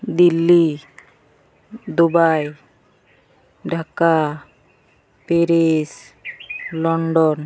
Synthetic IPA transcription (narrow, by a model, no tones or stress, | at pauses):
d̪ilːi | d̪obaj | ɖʱaka | peɾes | lɔɳɖɔn